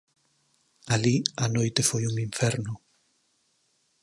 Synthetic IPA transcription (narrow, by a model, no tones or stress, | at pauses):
alianojt̪efojuŋiɱfeɾnʊ